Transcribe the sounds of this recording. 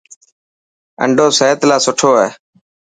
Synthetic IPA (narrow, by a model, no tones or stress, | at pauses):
ə̰ɳɖʱoːseːt̪laːsʊʈʰoːɦeː